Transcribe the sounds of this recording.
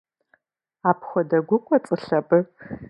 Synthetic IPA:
aːpʰxʷɔdɐɡʷʊkʷʼɔt͡sʼɨɬɐbɨ

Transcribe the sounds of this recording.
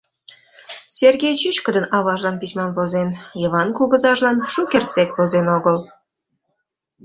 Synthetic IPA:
sʲerɣʲejt͡ɕit͡ɕkəd̪ənɑβɑʒlɑnpisʲmɑnβozenjɤβɑnkuɣə̆zɑʒlɑnʃukʲert͡sekβozenoɣəl

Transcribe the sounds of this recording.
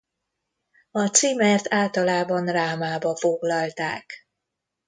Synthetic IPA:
ɒt̪simɛrt̪aːlt̪ɒlaːbɒnraːmaːbɒfo̞ɡlɒlt̪a̰ːk

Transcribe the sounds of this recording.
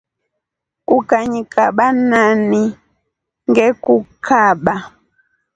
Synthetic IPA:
kukaɲikaɓanani | ŋɡɛkukʰaɓa

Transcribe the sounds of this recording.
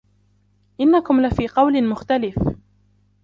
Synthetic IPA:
ʔɪnːakʊmlɪfiːqɑwlɪmʊxt̪alɪf

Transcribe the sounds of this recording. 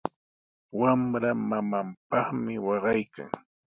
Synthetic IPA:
wamɾamamampɑχmɪwɑɢɑjka̰ŋ

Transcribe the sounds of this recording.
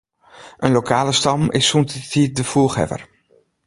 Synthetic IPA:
ənlokʰaːləstɑmɪsuntitit̚dəfuxɛ̰və̰r

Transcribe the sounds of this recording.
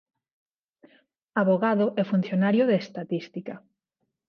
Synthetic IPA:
aβoɣaðʊʔɛfun̟θjonaɾjʊðeest̪at̪ist̪ikɐ

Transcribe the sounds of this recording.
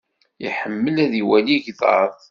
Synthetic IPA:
ḭħəmːəlæðiwæliʝðɑ̰ɾˤðˤ

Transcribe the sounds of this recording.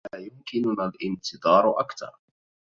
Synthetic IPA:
aːjʊmkɪnʊnalʔɪnt̪ɨðˤɑːɾˤʔakt̪ɑ̰ɾˤ

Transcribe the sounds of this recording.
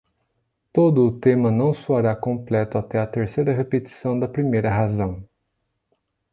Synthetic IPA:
t̪od̪ʊːt̪ẽmɐnɐ̃w̃suaɾakõmplɛt̪ʊat̪ɛɐt̪eɾsejɾɐɦepet̪i̥sɐ̃w̃d̪ɐpɾimejɾɐɦazɐ̃w̃

